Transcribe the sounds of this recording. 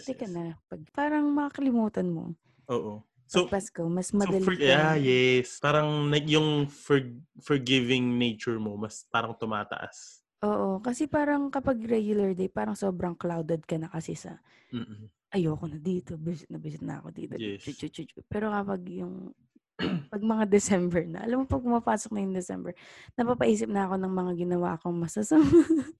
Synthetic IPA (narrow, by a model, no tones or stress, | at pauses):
t̪ɛkɐnɐpɐɡ̚paːɾɐŋmɐkɐkɐlɪmuːt̪ɐnmo̞̰ | ʔoːʔo | pɐpɐskomɐsmɐɐlajɛspaːɾɐŋnɐjʊŋfɛɹfɔɹɡɪvɪŋnejt͡ʃʊɹmomɐspaːɾɐŋt̪ʊmaːt̪ɐ̰ʔa̰s | ʔoːʔokɐsɛpaːɾɐŋkɐpɐɡɾɛɡjʊlɐɹd̪ejpaːɾɐŋso̞ːbɾɐŋklawd̪ɛd̪̚kɐnɐkɐsɛsɐ̰ː | ʔɐjoːkonɐd̪iːt̪o̞bɪsɪt̪nɐbɪsɪt̪nɐ̰ɐ̰ko̞d̪ḭːt̪ot͡ʃut͡ʃut͡ʃut͡ʃʊpɛːɾo̞kɐpɐɡ̚jʊŋ | pɐɡ̚mɐŋad̪ɛsɛmbɛɹnɐ̰ʔɐ̰lamːopɐpʊmapaːsok̚nɐjʊŋd̪ɛsɛ̰mbɛɹnɐpapɐʔiːs̬ɪp̚nɐɐko̞nɐŋmɐŋaɡɪnɐwa̰ːʔkoŋmɐsɐsam